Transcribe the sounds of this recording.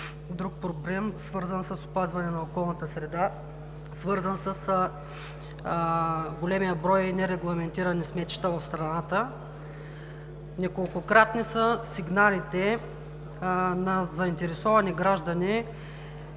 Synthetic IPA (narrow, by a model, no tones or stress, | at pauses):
d̪ɾuk̚pɾoblɛmsvɤɾzənsəsʊ̥pazvɐnɛnɐokɔlˠnɐt̪əsɾɛd̪a | svɤɾzənsəs | ɡolɛmijəbɾɔjinɛɾɛɡlˠɐmɛnt̪iɾɐnismɛt̪i̥t̪əvɐfst̪ɾɐnat̪ə | nʲɐkolˠkʊkɾat̪nisəsiɡnalit̪ɛ | nɐzɐint̪ɛɾɛsɔvɐniɡɾaʒd̪ɐni